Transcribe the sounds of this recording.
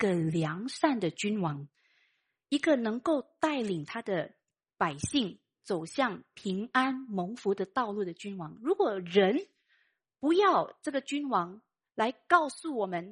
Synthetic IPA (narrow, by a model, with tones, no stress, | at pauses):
ɡə˨ljɑ˧˥ŋʂa˥˩nd̪ə˩t͡ɕy˥nwɑ˧˥ŋ | i˧˥ɡə˨nɤ˧˥ŋko˥˩˧ʊt̪a˥˩ɪli˨˩ŋt̪ʰa˥d̪ə˨ | pa˨˩ɪɕi˥˩ŋ | t͡so˨˩ʊɕjɑ˥˩ŋpʰi˧˥ŋa˥nmo˧˥ŋfu˧˥d̪ə˨t̪ɑ˥˧ʊlu˥˩d̪ə˩t͡ɕy˥nwɑ˧˥ŋɻu˧˥kwɔ˨˩ɻə˧˦˥n | pu˧˥jɑ˥˧ʊʈ͡ʂɤ˥˩ɡə˩t͡ɕy˥nwɑ˧˥ŋ | la˧˥ɪkɑ˥˧ʊsu˥˩wɔ˨˩mə˧˦n